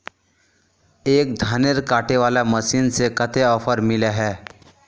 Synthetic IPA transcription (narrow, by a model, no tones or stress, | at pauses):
eːk̚d̪ʱaːneɾkaːʈeʋaːlaməsiːnsekət̪eɔːpʰəɾmɪleɦɛː